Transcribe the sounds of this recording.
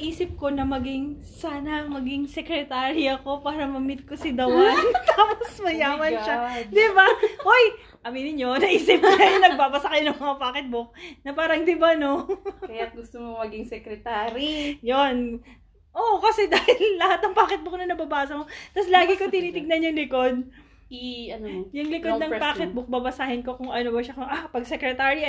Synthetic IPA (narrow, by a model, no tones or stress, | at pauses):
ʔiːsɪp̚ko̞nɐmɐɡɪŋ | saːnɐmɐɡɪŋsɛkɾɛt̪aːɾiɐko̞paːɾɐmɐmɪt̪̚kosɪd̪ɐwt̪aːposmɐjaːmɐnʃad̪ɪbaʔoj | ʔɐminɪɲo̞nɐʔiːsɪp̚kɐjnɐɡ̚baːbɐsɐkɐjonɐŋmɐŋapaːkɪt̪̚bok̚nɐpaːɾɐŋd̪ɪbano̞kɐjat̪̚ɡʊst̪omomɐɡɪŋsɛkɾɛt̪aːɾijon | ʔokɐsɛd̪aːhɪlɪːɐhat̪̚nɐŋpaːkɪt̪̚bʊk̚nɐnɐbɐbaːsɐmot̪ɐslaːɡɪkot̪ɪniːt̪ɪɡ̚nɐnjʊŋlɪko̞d̪̚ | ɐnjʊŋlɪkod̪nɐŋpaːkɪt̪̚bʊk̚babɐsaːhɪnko̞kʊŋʔɐnobɐʃɐkʊŋapɐɡ̚sɛkɾɛt̪aːɾi